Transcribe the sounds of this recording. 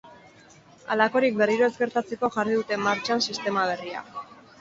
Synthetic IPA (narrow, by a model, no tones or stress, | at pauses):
a̰lako̞ɾik̚be̞riɾo̞e̞ske̞ɾt̪at͡se̞ko̞ʝariðut̪e̞maɾt͡ʃansist̪e̞maβ̞e̞ria̰